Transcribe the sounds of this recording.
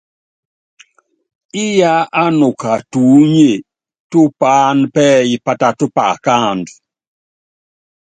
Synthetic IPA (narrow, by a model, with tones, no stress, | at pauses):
ɪ˦ja˦ʔa˦no˨ka˨tu˨˦ɲe˨ | tu˦pa˦npɛ˦i˨pa˦ta˦tu˦pa˨ka˦nd